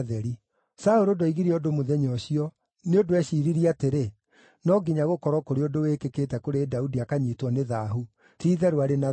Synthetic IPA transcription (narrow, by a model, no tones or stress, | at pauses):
ðɛɾi | saoɾodoiɣiɾiodomoðɛɲɔɕiɔ | neodoɛɕiɾiɾiateɾe | nɔɡiɲaɣokɔɾɔkoɾeodowekekeːtɛkoɾedaudiakaɲiːtwɔneðaɦu | tiːðɛɾoaɾena